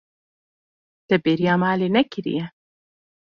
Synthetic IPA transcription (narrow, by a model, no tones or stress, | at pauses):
d̪̥ɛbeɾjaːmaːlenɛkɾḭjɛ